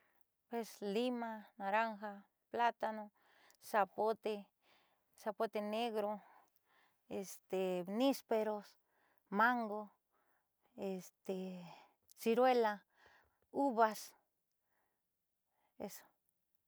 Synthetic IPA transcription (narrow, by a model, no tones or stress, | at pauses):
pweslimanaɾaŋxa | plat̪ano | sapot̪e | sapot̪eneɣɾo | est̪enispeɾos | maŋɡo | est̪e | siɾwela | uβas | eso̥